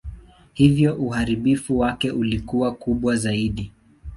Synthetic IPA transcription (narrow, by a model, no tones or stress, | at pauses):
hivjɔʔuhaɾiɓifuwakɛʔulikuwakuɓwazaiɗi